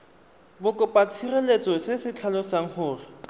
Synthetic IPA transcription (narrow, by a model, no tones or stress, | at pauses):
bʊkʼɔpʼat͡sʰirelet͡sɔsesɪt͡ɬʰalɔsaŋ̩hʊːrɪ